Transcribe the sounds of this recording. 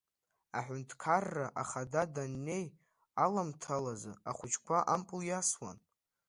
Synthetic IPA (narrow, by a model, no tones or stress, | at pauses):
aħʷʊntʰkʰarːaʔaχadadanːe̞j | alamtʰalazɨaχʷʊt͡ʃʰkʷʰaʔampʼljaswa̰n